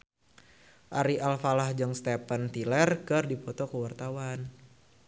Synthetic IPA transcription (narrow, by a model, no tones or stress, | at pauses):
ʔaɾiʔalfalahd͡ʒɔŋst̪ɛpənt̪ilɛrkɨrdipɔt̪ɔkəwart̪awan